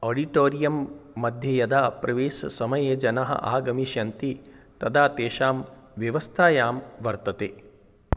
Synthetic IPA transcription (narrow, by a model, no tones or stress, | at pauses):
oːɖiʈoːɾijɐmːɐd̪ʱjɐjɐd̪aːpɾɐʋeːsɐ̰sɐmɐjeːd͡ʒɐnɐɦɐ̰ʔa̰ːɡɐmiʃjɐnt̪it̪ɐd̪aːt̪eːʃaːmʋjɐʋɐst̪ʰaːjaːmʋɐɾt̪ɐt̪eː